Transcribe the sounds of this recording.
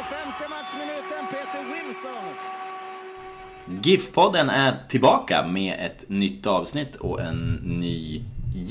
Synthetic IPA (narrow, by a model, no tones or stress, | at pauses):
fɛmt̪əmaʈʂmɪnʉ̟ːt̪ənpʰeːt̪əɾwɪlsɔn | ɡɪfpʰɔd̪ːənæɾʈʰɪlbɑːka̰meːɛt̪nʏt̪ːɑːvsnɪt̪ʰːɔ̰ʔɛnːyː